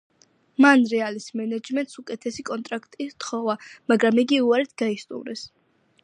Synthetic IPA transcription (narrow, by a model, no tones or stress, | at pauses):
manɾɛalismɛnad͡ʒmɛnt̪sukʼɛt̪ʰɛsikʼɔnt̪ʼɾakʰt̪ʼit̪χɔvamaɡɾamiɡiuaɾɛt̪ʰɡ̥aist̪ʼṵmɾɛ̰s